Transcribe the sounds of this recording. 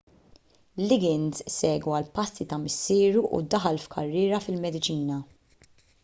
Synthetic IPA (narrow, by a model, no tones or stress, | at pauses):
lːɪɡɪnzsɛːɡuɐlpɐsːit̪ɐmɪsːɪːɾuʔṵd̪ɐħɐlfkʰɐrːɪːɾɐfɪlmɛd̪ɪt͡ʃiːnɐ